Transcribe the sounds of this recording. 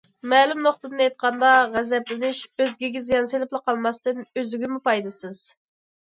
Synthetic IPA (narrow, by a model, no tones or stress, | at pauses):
mɛːlˠymnoχt̪ɨd̪ɨnejt̪̚qʰɑnd̪ɑʁæzɛplɪnɪʃøzɡʲiɡʲɪzijɑnselɪplˠɨqɑlˠmɑst̪ɨnøzɪɡʲimupɑjd̪ɨsɨz̥